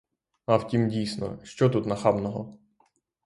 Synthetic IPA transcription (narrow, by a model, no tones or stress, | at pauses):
ɐwtʲimdʲijsnɔ̰ʃt͡ʃɔt̪ut̪nɐxɑbnɔɦɔ